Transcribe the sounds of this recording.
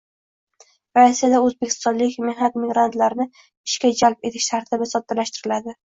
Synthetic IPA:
ɾasijad̪aɵzbekʲʰɪ̥st̪ɒnlɪkʲmehnat̪̚mɪɡɾant̪laɾnɪ | ɪʃkʲad͡ʒalp̚e̞t̪ʰɪʃt̪ʰaɾt̪ʰɪbɪsɒt̪ʰːalaʃt̪ɪɾɪlad̪ɪ

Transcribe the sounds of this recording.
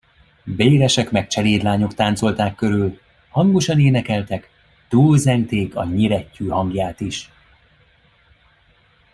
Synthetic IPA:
beːɾɛʃɛkmɛk̚t͡ʃɛleːd̪laːɲo̞kt̪aːnt̪so̞lt̪aːkːø̞ɾyl | hɒŋɡo̞ʃɒneːnɛkɛlt̪ɛk | t̪uːlzɛŋɡt̪eːkɒ̰ɲiɾɛcːøːhɒŋɡjaːt̪iʃ

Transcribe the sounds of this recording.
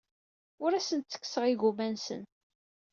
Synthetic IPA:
ʊɾæsənt̪t͡sːə̥kːsəʁiɣumænsə̰n

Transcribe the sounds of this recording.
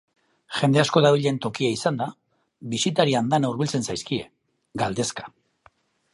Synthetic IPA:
ʝe̞nd̪e̞asko̞ðaβiʎe̞nt̪o̞kiaisand̪a | βisit̪aɾiand̪anauɾβilt͡se̞nsajskie̞̰ | ɡald̪e̞skḁ

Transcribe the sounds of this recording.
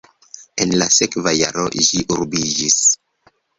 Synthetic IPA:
e̞nlase̞kvaja̰ɾo̰ʒiʔuɾbid͡ʒis

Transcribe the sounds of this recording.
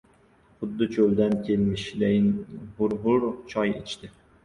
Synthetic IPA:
χʊd̪ːɪt͡ʃʰold̪ankʲʰelmɪʃlejnhʊɾɦʊɾt͡ʃʰɒjḛt͡ʃʰt̪ɪ

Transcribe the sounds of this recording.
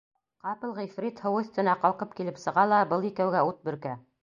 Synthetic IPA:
qɑpɤ̆lˠʁifrʲit̪hɤ̆wɤ̆st̪ɵ̆nɑqɑlˠqɤp̚kilɘpsɤ̆ʁɑlˠɑbɤlˠikæwɡæut̪̚bɵ̆ɾkæ

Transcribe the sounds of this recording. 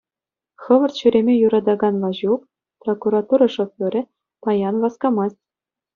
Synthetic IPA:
χɤ̆ʋɤ̆rt̪ɕyɾʲemʲejuɾɑd̪ɑɡɑnʋɑʑuk | prokuɾɑt̪uɾɑʂŏfʲɤ̆ɾʲɘ̆ | pɑjɑnʋɑskɑmɑstʲ

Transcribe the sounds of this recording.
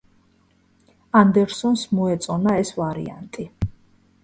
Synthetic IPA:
and̪ɛɾsɔnsmɔɛt̪sʼɔnaɛsvaɾḭa̰nt̪ʼi

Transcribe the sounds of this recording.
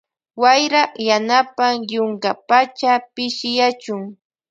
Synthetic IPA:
wajɾɑχjanapaŋjʊŋkapat͡ʃapɪʃɪjat͡ʃʊŋ

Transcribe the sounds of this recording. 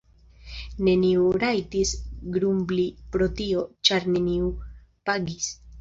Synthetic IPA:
ne̞niuɾajtisɡɾumblipɾo̞tio̞t͡ʃaɾne̞niu | paɡis

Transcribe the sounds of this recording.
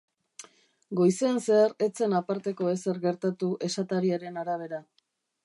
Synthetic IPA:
ɡo̞jseanse̞are̞t͡se̞napaɾt̪e̞ko̞e̞se̞ɾɣe̞ɾt̪at̪uʔe̞sat̪aɾiaɾe̞naɾaβ̞e̞ɾa

